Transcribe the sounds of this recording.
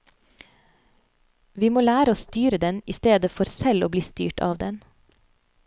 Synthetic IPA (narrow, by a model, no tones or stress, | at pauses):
ʋiːmoːlæːɾəoːst̪yːɾəd̪ɛniːst̪eːd̪əfɔɾsɛloːbliːst̪y̰ːʈɑ̰ːʋd̪ɛn